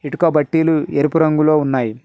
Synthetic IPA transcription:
iʈukɐbɐʈːiːlueɾipuɾɐŋɡulo̞ːunːaːji

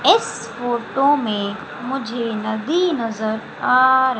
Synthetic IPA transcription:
ɪs | foːɾʈõmẽ | mʊd͡ʒʱenɐd̪inɐzəɾ | aːɾ

